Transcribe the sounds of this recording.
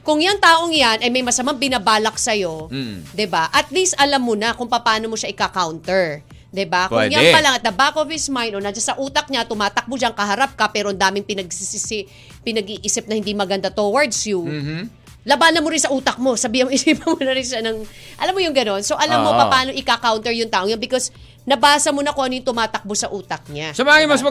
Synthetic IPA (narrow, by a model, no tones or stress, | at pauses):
kʊŋjaŋt̪aːʔo̞ŋjanʔɐjmɐjmɐsɐmambɪnabaːlɐk̚sɐjo̞d̪ɪbaʔɐt̪list̪ʔɐlamːonɐkʊŋpɐpaːno̞moʃaʔɪkakawnt̪ɛɹ | d̪ɪbakʊŋŋjapɐlaŋɐt̪̚d̪ɐbaːkovɪsmajnonad͡ʒasɐʔuːt̪ɐk̚ɲat̪ʊmaːt̪ɐk̚mod͡ʒaŋkɐɦɐɾap̚kɐpɛːɾoɐnd̪aːmɪŋpɪnɐɡ̚ssɪsɪ | pɪnɐɡiːʔiːsɪp̚nɐhɪnd̪imɐɡɐnd̪at̪owɐɹd̪sjʊ | lɐbaːnɐnmoɾɪnsɐʔuːt̪ɐk̚mo̞sɐbiːhɪnmoʔɪsipɐnmonɐɾɪnʃanɐŋ | ʔɐlamːojʊŋɡɐno̞nsoʔɐlamːopɐpaːno̞ʔɪkakawnt̪ɛɹjʊŋt̪aːʔoŋjɐnbɪkos | nɐbaːsɐmonɐkʊŋʔɐnojʊŋt̪ʊmaːt̪ɐk̚bosɐʔuːt̪ɐk̚ɲasɐbɐaŋɪmɐsɐ